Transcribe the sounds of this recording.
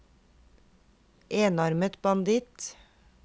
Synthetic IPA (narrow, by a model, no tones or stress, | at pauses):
ʔeːnɑɾmət̪bɑnd̪ɪt̪